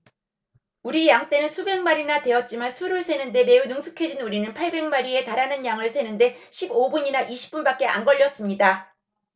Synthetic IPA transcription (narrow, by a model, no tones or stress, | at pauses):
uɾijaŋt͈e̞nɯnsʰubeŋmaɾinate̞ʌt̚t͡ɕ͈imansʰuɾɯɭsʰe̞nɯnde̞me̞unuŋsʰu̥kʰe̞d͡ʑinuɾinɯnpʰaɭbeŋmaɾie̞taɾanɯnjaŋɯɭsʰe̞nɯnde̞ɕʰibobuɲinaʔiɕʰi̥p̚p͈unbak͈̚e̞ʔa̰nɡʌʎːʌs͈ɯmɲida